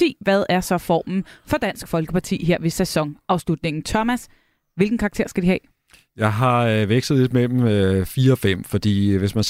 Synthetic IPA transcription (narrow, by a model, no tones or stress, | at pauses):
e̝̰ːʋæð̞ˠæɐsɒ̽fɒ̰ːmn̩fɒ̽d̥æn̰sɡ̥fɒ̽lɡ̥əpʰɑ̈t͡sʰḭːɦe̝ɐ̰ʋe̝sæsɒ̽ŋɑ̈ʊslud̥ne̝ŋn̩t͡sʰɒmæs | ʋe̝lɡ̥ŋ̩kʰɑ̈ɡ̥̚t͡sʰe̝ɐ̰sɡ̥ædihɛ̰ː | jɑ̈ɪɦɑ̈ʋeɡ̥sð̩ˠle̝d̥mel̰m̩fiːɐɒ̽fem̰fɒ̽d̥ḭːʋe̝smæn